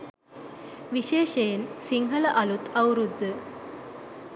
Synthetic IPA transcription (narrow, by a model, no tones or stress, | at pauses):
ʋiʃeːʃeːnsiŋɡʱɐlɐʔɐlut̪ɐwɾud̪ːɨ